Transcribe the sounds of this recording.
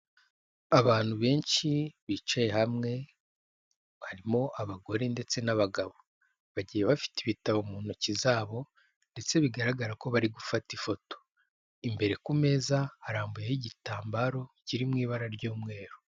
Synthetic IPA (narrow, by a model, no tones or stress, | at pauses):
aβaːn̥huβe̞ːnʃiβiːt͡ʃaje̞hamŋe̞ | haɾimo̞ʔaβaɡo̞ɾende̞t͡se̞naβaɡaβo | βaɟiːjeβafi̥tiβitaβomuːnocizaːβo̞ | nde̞t͡se̞βiɡaɾaɡaɾako̞βaɾiɡufatifo̞to̥ | imbe̞ɾe̞kume̞ːzahaɾaːmbujehiɟitaːmbaɾo̞ciɾimŋiːβaɾaɾɟuːmŋe̞ːɾo̥